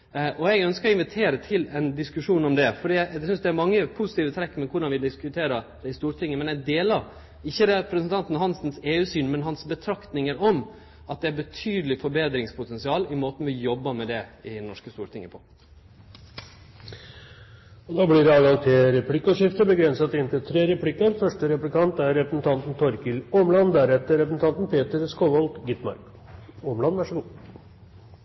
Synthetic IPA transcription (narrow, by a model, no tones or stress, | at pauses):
ʔɔɛɡœnskəɾɔɪnʋɪt̪ʰeːɾət̪ʰɪlɛnd̪ɪskʉʂuːnɔmd̪ɛfɔɖiːæsʏnsd̪ɛæɾmɑŋːəpʰʊsɪ̥t̪iːʋət̪ʰɾɛkːmɛkʰʊɖɑnʋɪd̪ɪskʉt̪ʰeːɾəd̪̥ɛɪst̪uːɾʈ̪ʰɪŋːəmɛnɛɡd̪eːlɑɾ | ɪçːəɾɛpʰɾəsənt̪ʰɑnt̪n̩hɑnsnseːʉːsyːnmɛnɦɑnsbət̪ʰɾɑkt̪nɪŋəɾɔm | ɑt̪̚d̪ɛæɾbət̪ʰyːd̪əlɪfɔɾbeːd̪ɾɪŋspʰʊt̪ʰɛnsɪɑːlɪmoːt̪n̩ʋɪjɔbːəmɛd̪ɛɪnɔʂkəst̪uːɾʈ̪ʰɪŋːəpʰo̰ː | ɔd̪ɑːblɪɾɑːɡɑŋt̪ʰɪɾɛpʰlɪkːɔʂɪft̪əbəɡɾɛnsɑt̪ɪnt̪ɪlt̪ʰɾeːɾɛpʰlɪkːəɾfœʂʈəɾɛplɪkʰɑnt̪æɾːɛpɾəsn̩t̪ʰɑnt̪n̩t̪ʰɔɾkɪlɔːmlɑnd̪æɾɛt̪ːəɾɛpɾəsn̩t̪ɑnt̪n̩pʰeːt̪əɾskoːʋɔlt̪ɡɪt̪mɑ̰ɾk | ɔːmlɑnʋæʂəɡuː